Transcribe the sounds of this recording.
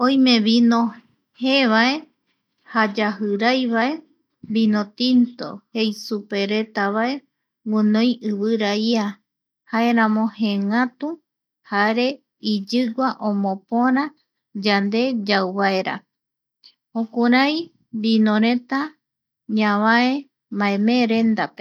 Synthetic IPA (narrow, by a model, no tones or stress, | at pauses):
õj̃mẽ̞βinõ | heβae̞ | had͡ʒahɨɾajβae̞ | binõt̪int̪o̞̰he̞jsupe̞ɾe̞t̪aβae̞ | ŋũnõjɨβɨɾaia | haeɾãmõ̞heŋãt̪u | haɾe | id͡ʒɨɡʷaʔõmõpõɾã | d͡ʒand̪e̞d͡ʒawβaeɾa̰ | õkuɾaj | binõɾẽ̞t̪a | ɲãβae | maẽmeɾe̞nd̪ape